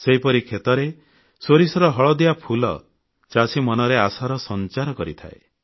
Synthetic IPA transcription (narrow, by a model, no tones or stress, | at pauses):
seɦipɔɾikʰet̪ɔɾe | soɾisɔɾɔɦɔɭɔd̪iapʰulɔ̰ | t͡ʃasimɔnɔɾeasaɾɔsɔnt͡ʃaɾɔkɔɾit̪ʰa̰ḛ